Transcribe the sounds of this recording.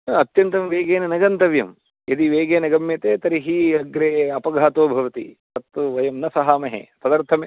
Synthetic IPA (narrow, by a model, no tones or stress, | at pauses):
ɐt̪jɐnt̪ɐmʋeːɡeːnɐnɐɡɐnt̪ɐʋjɐm | ed̪iʋeːɡeːnɐɡɐmjɐt̪eːt̪ɐɾiɦiɐɡɾeːɐpɐɡʱaːt̪oːbʱɐʋɐt̪ḭtɐt̪ːuʋɐjɐmnɐsɐɦaːmɐɦḛpɐd̪ɐɾt̪ʰɐme